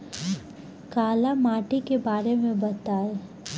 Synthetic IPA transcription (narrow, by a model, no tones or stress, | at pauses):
kaːlamaːʈikebaːɾemẽbɐt̪aːe